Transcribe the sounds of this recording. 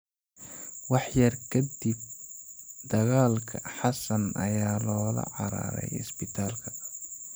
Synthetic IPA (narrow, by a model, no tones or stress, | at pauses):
wɑħjɐrkʰɐd̪ib̚ | d̪ɐɣaːlkʰɐħɑsɐnɐ̰jaːlɔːlɐ̰ʕɑɾa̰ːɾɛ̰jɪsbɪt̪ʰaːlkʰɐ̥